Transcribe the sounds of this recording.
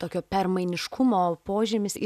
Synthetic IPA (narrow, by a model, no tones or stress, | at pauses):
t̪oːkʲoːpʲɛrmɐɪnʲɪʃkʰʊmoːpoːʒʲɪmʲɪsɪ